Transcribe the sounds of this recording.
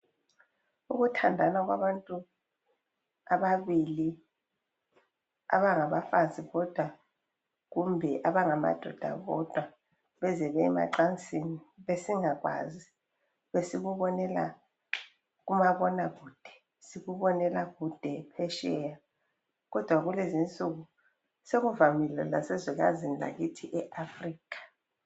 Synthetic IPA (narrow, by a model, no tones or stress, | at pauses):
uɣutʰandʱanaɣwa̰βantʼu | aβaβili | a̰βaŋaβafanzʱʼiɣɔd̥ʱwa | ɣumbʱɛʔaβaŋama̰d̥ʱɔd̥ʱa̰ɣɔ̰d̥ʱwa | βɛzɛβɛɛma̰ǃant͡sʼiniβesiŋaɣwa̰ːzi | βesiɣuβɔnɛla̰ | ɣumaβɔnaɣud̥ʱɛ̥ | siɣuβɔnɛlaɣud̥ʱɛpʰɛʃɛja | ɣɔd̥ʱwaɣulezint͡sʼuɣu | seɣuvamilɛlasɛziɣa̰zinila̰ɣitʰiʔɛʔafriːkʰḁ